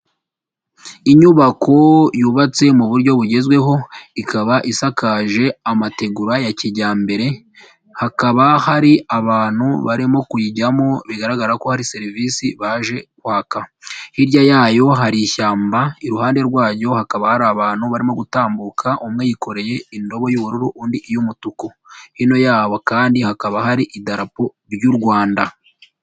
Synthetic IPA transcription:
iɲuβako̞juːβat͡se̞muβuɾɟo̞βuɟe̞zɡweɦo̞ikʰaβaʔisakaːʒe̞amate̞ɡuɾajaciɟaːmbe̞ɾe̞ | hakaβahaɾiaβaːn̥hṵβaɾimo̞kujiɟamo̞βiɡaɾaɡaɾako̞haɾise̞ɾiviːsiβaʒe̞kwaːkahiɾjajaːjo̞ɦaɾiːçaːmbaiɾuɦaːnde̞ɾɡwaːɟo̞hakaβahaɾaːβaːn̥huβaɾimo̞ɡutaːmbukʰaʔumŋejiko̞ɾe̞je̞indo̞βo̞juβuɾuɾuʔuːndiʔjumutuko | hino̞jaːβokaːndihakaβaɦaɾiʔidaɾapo̞ | ɾjuɾɡwaːnda

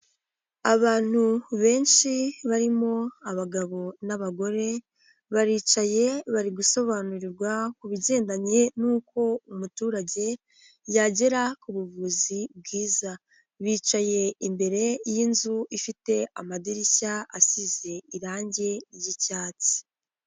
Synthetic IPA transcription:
aβaːn̥huβe̞ːnʃiβaɾimo̞aβaɡaβo̞naβaɡo̞ɾe̞ | βaɾiːt͡ʃaje̞βaɾiɡuso̞βanuɾiɾɡwakuβiɟe̞ːndaɲe̞nuːko̞umutuːɾaɟe̞ | jaɟe̞ɾakuβuvuzib̚ɡiːza | βiːt͡ʃaje̞imbe̞ɾe̞jinzuifite̞amadiɾicaasize̞iɾaːɲɟe̞jicaːt͡si̥

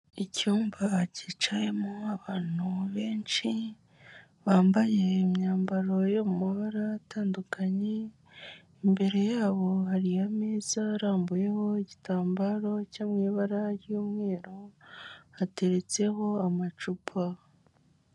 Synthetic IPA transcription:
icuːmbacit͡ʃaje̞moaβaːn̥huβe̞ːnt͡ʃi | βaːmbaje̞imɲaːmbaɾo̞jomumaβaɾaːtʰaːndukʰaɲe̞ | imbe̞ɾe̞jaːβo̞ɦaɾijameːzaɾaːmbuje̞ho̞iɟitaːmbaɾo̞caːmŋiːβaɾajjuːmŋe̞ːɾo | hate̞ɾe̞t͡se̞ho̞amat͡ʃupʰa

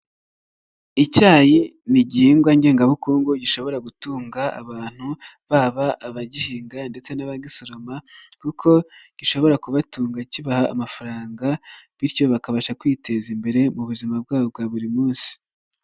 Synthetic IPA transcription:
icaːjiniɟiiŋɡwaɲɟe̞ːŋɡaβukuːŋɡuɟiʃo̞βo̞ɾaɡutuːŋɡaa̰βaːn̥hu | βaβaːβaɟihiːŋɡande̞t͡se̞naβaɡisoɾo̞makukʰo̞ɟ̥iʃo̞βo̞ɾakuβatuːŋɡaciβaha̰ːmafaɾaːŋɡaβiɾco̞βakaβaʃakwiːte̞zimbe̞ɾe̞muβuzimab̚ɡaːβob̚ɡaβuɾimuːnsi̥

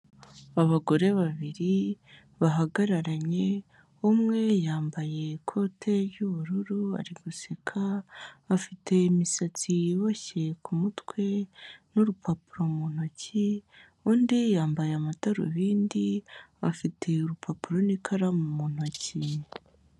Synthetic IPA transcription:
aβaɡo̞ɾe̞βaβiɾi | βaɦaɡaɾaɾaɲe̞ | umŋe̞jaːmbaje̞kʰo̞tʰe̞ɾjuβuɾuɾua̰ɾiɡusekʰaː | fitʰe̞misat͡siβoçe̞kumutwe̞nuɾupʰapuɾo̞mun̥oci | uːndijaːmbajeamataɾo̰βiːndiafitʰe̞uɾupʰapuɾonikʰaɾamumun̥oci

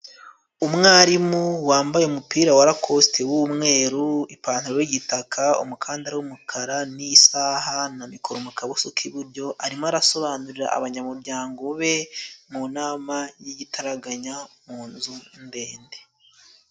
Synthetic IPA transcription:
umŋaːɾimuwaːmbajeumupiːɾawaɾakʰo̞stʰewumŋe̞ːɾuipaːnhuɾowiɟitakʰaṵmukʰaːndaɾawumukʰaɾanisaːɦanamikoɾomukaβosokʰiβuɾɟo̞ʔaɾimoaɾaso̞βanuɾiɾa̰ʔa̰βaɲamuɾɟaːŋɡo̞βe̞munaːmajiɟitʰaɾaɡaɲamuːnzunde̞ːnde

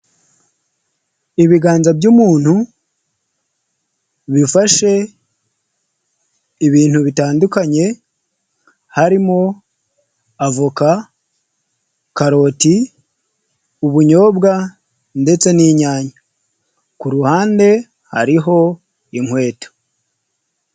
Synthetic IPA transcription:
iβiɡaːnzabɟuːmuːn̥hu | βifaʃe̞ | iβiːn̥huβitaːndukaɲe̞ | haɾimo̞ | avoka | kaɾo̞ːti | uβuɲo̞ːbɡa | nde̞t͡se̞niɲaːɲa | kuɾuhaːnde̞ | ha̰ɾiɦo̞ | iŋwe̞ːto̥

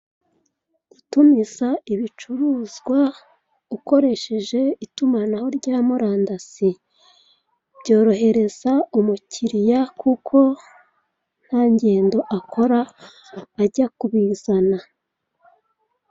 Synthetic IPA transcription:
ɡ̥utumizaiβit͡ʃuɾuːzɡwa | uko̞ɾe̞ʃe̞ʒe̞itumanaho̞ɾɟaːmuɾaːndasi | b̥ɟo̞ːɾo̞ɦe̞ɾe̞z̥aumuciɾijakukʰo̞ | n̥haːɲɟe̞ːndo̞ʔakʰo̞ɾaː | ɟakuβiːz̥ana

